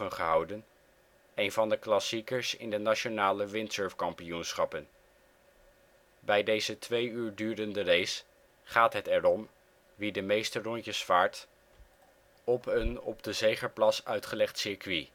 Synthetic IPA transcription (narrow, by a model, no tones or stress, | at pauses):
ənχəɦɑwdən | ejnvɑndəklɑsikəɹsɪ̰ndənat͡ʃonaːləʋɪntsøɹfkɑmpijunsχɑpən | bɛjdejzətʋejyːɹdyːɾəndərejs | χaːtɦətɛɾɔm | ʋidəmejstərɔɲcəsfaːɹt | ɔpənɔ̰bdəzejχəɹplɑsœɥtχəlɛχtsɪɹkʋi